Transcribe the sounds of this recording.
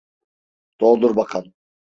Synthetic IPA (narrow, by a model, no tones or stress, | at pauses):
t̪ʰoːlˠd̪uɾbɑqʰɑn